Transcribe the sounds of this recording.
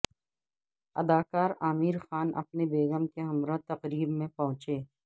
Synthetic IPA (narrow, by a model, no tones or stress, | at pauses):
ɐ̰d̪aːkaːɾaːmiːɾxaːnʔɐ̰pnebeːɡəmkeɦɐmɾãt̪ɐqɾiːbmẽpɐɦʊ̃t͡ʃeː